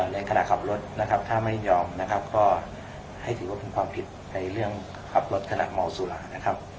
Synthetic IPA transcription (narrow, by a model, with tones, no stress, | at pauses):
nɛ˧jkʰa˧na̰˨ʔkʰa˨˩˦p̚lo˦˥t̪̚na˦˥kʰa˦˥p̚t̪ʰaː˥˩ma˥˩jɲɔː˧mna˦˥kʰa˦˥p̚kɔː˥˩ | ha˥˩jt̪ʰɯː˨˩˦wa˥˩pe˧nkʰwaː˧mpʰi˨˩t̪̚na˧jɾɯ˥˩əŋ | kʰa˨˩p̚lo˦˥t̪̚kʰa˧na̰˨˩ma˨˩wsu˨˦laː˨˩˦na˦˥kʰa˦˥p̚